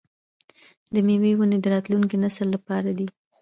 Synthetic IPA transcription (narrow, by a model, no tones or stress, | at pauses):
d̪əmewewuned̪əɾɑt̪luŋkinasəlːapɑɾad̪i | x